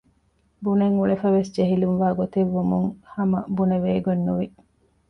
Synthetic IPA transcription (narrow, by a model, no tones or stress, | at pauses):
buneŋuɭefɐʋesd͡ʒeɦilunʋaːɡot̪iʋːumuŋhɐmɐbuneʋeːɡonːuʋi